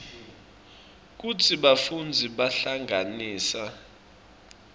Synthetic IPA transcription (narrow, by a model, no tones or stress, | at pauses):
k̬ut͡sʰiɓafund͡zʱiɓaɬaŋʱaniːsa